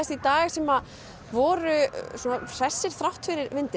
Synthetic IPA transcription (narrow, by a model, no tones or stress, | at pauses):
ɛsit̪aːɣɪsɛma | vɔːɾʏsunar̥ɛsːɪɾ̥θɾawht̪fɪɾɪɾvɪnt̪ɪ